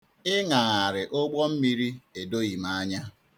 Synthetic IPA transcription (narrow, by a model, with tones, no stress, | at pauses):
ɪ˦ŋa˨ŋa˨ɾɪ˨ʔo˦ɡ͡bɔ˦m̩˦mi˦ɾi˦e˨do˦ɣi˨ma˦a˦ɲa˦